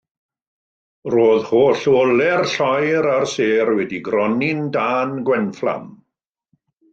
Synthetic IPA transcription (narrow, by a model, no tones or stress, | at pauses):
roːðhoːɬolˠɛrɬɔjɾarseːrwɛdiɡrɔnɪndaːnɡwɛnflˠa̰m